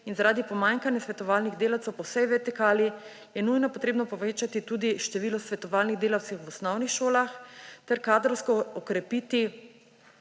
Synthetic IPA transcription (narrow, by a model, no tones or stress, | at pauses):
inzaɾaːd̪ipɔmaŋkanjasʋɛt̪ɔʋaːlniɣd̪eːlawt̪sɛwpɔwsɛjʋɛɾt̪ikaːli | jɛnujnɔpɔt̪ɾeːbnɔpɔʋeːt͡ʃat̪it̪ud̪iʃt̪ɛʋiːlɔsʋɛt̪ɔʋaːlniɣd̪eːlawt̪sixwɔsnɔwnixʃoːlaxt̪ɛɾkaːd̪ɾɔwskɔɔkɾɛpit̪i